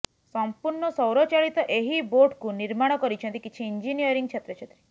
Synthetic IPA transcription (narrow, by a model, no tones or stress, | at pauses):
sɔmpuɾɳɔsɔwɾɔt͡ʃaɭit̪oʔeɦiboʈkũniɾmaɽ̃ɔkɔɾit͡ʃʰə̃nt̪ikit͡ʃʰiːɲd͡ʒinijəɾiŋɡ̚t͡ʃʰet̪ɾət͡ʃʰet̪ɾi